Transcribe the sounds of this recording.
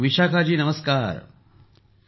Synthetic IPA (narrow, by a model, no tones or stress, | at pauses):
ʋiʃaːkʰaːd͡ʒiːnɐməskaːɾ